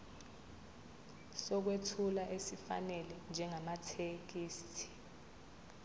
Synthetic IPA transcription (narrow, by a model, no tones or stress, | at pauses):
sɔk̬wetʰulaʔesifa̰nɛlɛnd͡ʒʱɛŋamatʰek̬iːstʰi̥